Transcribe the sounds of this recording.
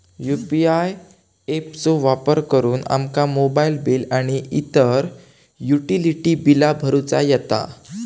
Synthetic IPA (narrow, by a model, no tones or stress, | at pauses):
jupiaj | ept͡soʋapəɾkəɾuːna̰mkamobailbilaɽ̃iʔit̪əɾ | juʈiliʈiːbilabʱəɾut͡sa̰jɛt̪a̰